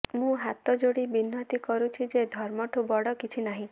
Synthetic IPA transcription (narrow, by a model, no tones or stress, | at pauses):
mũɦat̪ɔd͡ʒoɽibinːɔt̪ikɔɾut͡ʃʰid͡ʒed̪ʱɔɾmɔʈʰubɔɽɔkit͡ʃʰinaɦĩ